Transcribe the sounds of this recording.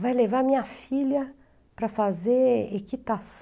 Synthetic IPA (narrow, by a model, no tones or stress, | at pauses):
vajlevaɐmĩɲɐfilɐ | pɾɐfazeɾekit̪as